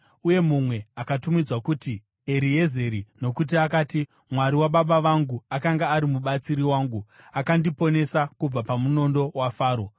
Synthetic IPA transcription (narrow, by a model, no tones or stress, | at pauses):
uje̞mumwe̞akatumid͡zwakuti | e̞ɾije̞ze̞ɾino̞kut̬iakaːti | mwaɾiwaɓaɓaʋaŋɡuakaŋɡaːɾimuɓat͡siɾiwaːŋɡu | akandipo̞ne̞sakub͡vapamuno̞ndo̞wafaːɾo̞